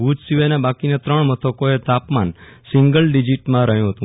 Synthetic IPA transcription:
ud͡ʒsiʋajnebakinet̪ɾəɳmət̪ʰəkoet̪apmansiŋɡəlɖid͡ʒiʈmãɾəɦjũɦət̪ũ

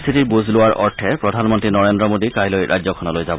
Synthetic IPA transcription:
st̪ʰitiɹbuzʱlʊwaɹʔɔɹtʰɛpɹɔdʱanmɔntɹinɔɹendɹɔmodikajlojɹʔa̰jd͡ʑzɔkʰɔnɔlojzabɔ

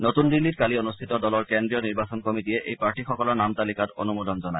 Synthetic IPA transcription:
notundilːitkalionust̪ʰitɔdɔlɔɹkendɹijɔniɹbasɔnkomitiɛʔḛjpaɹʈixɔkɔlɔɹnamt̪alikato̰numod̪ʱɔnzɔnaj

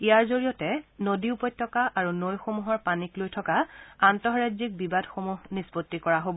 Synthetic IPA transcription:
ijaɹzoɹijɔtɛnodiupɔj̚tʰːɔkaʔaɹunojxomuɦɔɹpaniklojtʰɔkaantɔɦɹazik̚bibadxomuɦnispotːikɔɹaɦobɔ

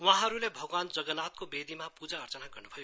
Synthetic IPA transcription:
w̃ãɦʌɾulebʱʌɡwand͡zʌɡʌnat̪̚kobed̪ʱimapud͡zaʌrt͡sʌnaɡʌrnubʰʌjo

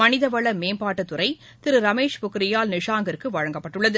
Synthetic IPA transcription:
ɐnɪðɐʋɐɭɐmeːmpaːʈːɐt̪ːʊɾɐɪ | t̪ɪɾɯɾɐmeːʂpʊkɪɾɪjaːlnɪʂaːŋɡɪɾkːɯʋɐɻɐŋɡɐpːɐʈːɯɭːɐðɯ

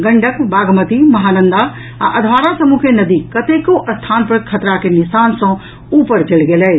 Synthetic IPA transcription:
ɡəɳɖəkbaːɡʱmət̪imɐɦanənd̪a | a̰ʔəd̪ʱʋaɾasəmukenəd̪ikət̪ekoʔəst̪ʰanpəɾkʰət̪ɾakenisansə̃ | upəɾd͡ʒelɡelɛː

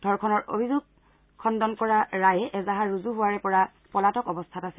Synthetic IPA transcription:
d̥ʱɔɹkʰɔnɔɹʔo̰bʱizuɡ̚ | kʰːɔndɔnkɔɹaɹajɛʔɛzaɦaɹuzuɦʊwaɹɛpɔɹa | pɔlatɔkɔbɔstʰatasɛ

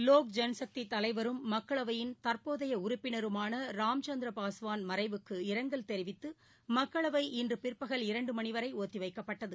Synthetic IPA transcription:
loːk̚d͡ʒɛnsɐk̚t̪it̪ːɐlɐɪʋɐɾɯmːɐkːɐɭɐʋɐjɪnt̪ɐɾpoːðɐjɐʊɾʊpːɪnɐɾɯmaːnɐɾaːmt͡ʃɐnd̪ɾɐpaːsɯʋaːnmɐɾɐɪʋɯkːɯɪɾɐŋɡɐɭt̪ɛɾɪʋɪt̪ːɯ | mɐkːɐɭɐʋɐɪʔɪndrɯpɪrpɐɣɐɭɪɾɐɳɖɯmɐnɪʋɐɾɐɪoːt̪ːiʋɐɪkːɐpːɐʈːɐðɯ

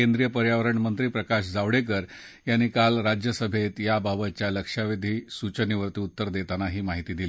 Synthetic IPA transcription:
end̪ɾijəpəɾjaʋəɾəɳmənt̪ɾiːpɾəkaɕd͡zaʋɽek̬əɾ | janːikalɾad͡ʑjəsəbʱet̪jababət̪̚t͡ɕjaləkʂaʋid̪ʱiːsut͡ɕəniʋəɾt̪iːut̪ːəɾd̪et̪anaɦiːmaɦit̪iːd̪ili

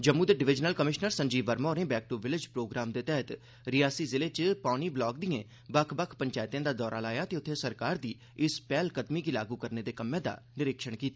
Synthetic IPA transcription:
d͡ʒəmuːd̪eːɖɪʋɪd͡ʒnəlkəmɪʃnəɾsə̃ɲd͡ʒiːbəɾmoːɾnẽːbɛːk̚ʈuʋɪlɪd͡ʒpɾoːɡɾaːmd̪eːt̪ɛɦət̪ | ɾɪjaːsiːzɪleːt͡ʃpaːniːblɔːkd̪iãː | bəkʰbəkʰpəɲt͡ʃaːɪt̪jãːd̪aːd̪ɔːɾaːlaːjaːt̪eːʊt̪ʰːeːsəɾkaːɾd̪iː | ɪspɛːlkət̪miːkiːla̰ːɡuːkəɾneːd̪eːkəmːẽːd̪a̰ːnɪɾɪkʃəɳkiːt̪aː

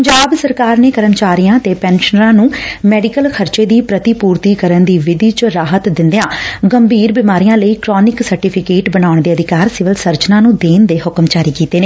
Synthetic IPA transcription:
əɲd͡ʒaːbsəɾkaːɾneːkəɾəmt͡ʃaːɾijãːt̪eːpɛːnʃənɾãːnũːmɛːɖɪkəlkʰəɾt͡ʃeːd̪iːpɾət̪iːpuːɾt̪iːkəɾənd̪iːʋɪd̪iːt͡ʃəɾaːɦət̪d̪ɪ̃nd̪ejãːɡəmbʱiːɾbɪmaːɾijãːləiːkɾɔːnɪksəɾʈɪːpʰɪkeːʈbənaːʊɳd̪eːəd̪ʱɪkaːɾsɪʋəlsəɾt͡ʃnãːnũːd̪eːnd̪eːɦʊkəmt͡ʃaːɾiːkiːt̪eːneː

